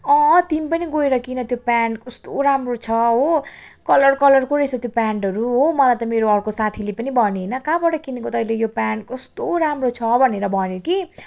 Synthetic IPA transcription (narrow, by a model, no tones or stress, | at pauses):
ʌ̃t̪imipʌniɡoeɾʌkinʌt̪jopaɳkʌst̪oɾamrot͡sʰʌɦo | kʌlʌrkʌlʌrkoɾesʰʌt̪jopaɳʈɦʌɾuɦomʌlajt̪ʌmeɾoʌrkosat̪ʰilepʌnibʱʌneɦnʌkabʌʈʌkinikot̪ʌːʌilejopaɳkʌst̪oɾamrot͡sʰʌbʱʌneɾʌbʱʌnjoki